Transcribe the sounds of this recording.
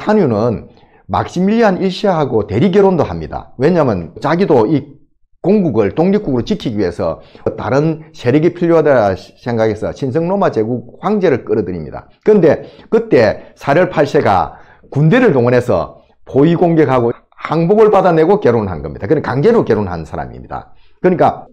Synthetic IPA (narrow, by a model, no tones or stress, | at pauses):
sʰanjunɯn | ma̰k̚ɕ͈imiʎːiɦaniɭɕ͈ʰiɦaɡote̞ɾiɡjeɾondohamɲida̰we̞ɲamjʌnt͡ɕaɡidoi | koŋɡuɡɯɭtoŋɲik͈̚uɡɯɾot͡ɕikʰiɡiɥiɦe̞sʰʌ̰ʌta̰ɾɯnsʰe̞ɾeɡipʰiʎːoɦadaasʰe̞ŋɡaɡe̞sʰʌ̰ɕʰins̬ʰɯŋnomat͡ɕe̞ɡuk̚ɸwaŋd͡ʑe̞ɾɯɭk͈ɯɾʌdɯɾimɲḭda̰ | kɯɯnde̞kɯt͈e̞sʰaɾjʌɭpʰaɭs͈ʰe̞ɡa̰ | kunde̞ɾɯɭtoŋʌnɦe̞sʰʌ̰ | poiɡoŋɡe̞kɦaɡo | haŋboɡɯɭpadane̞ɡokjeɾonɦa̰nɡʌ̰mɲid̥̪akɯndekaŋd͡ʑe̞ɾokjeɾonɦa̰nnsʰaɾa̰mḭmɲid̥a̰ | kɯɲik͈a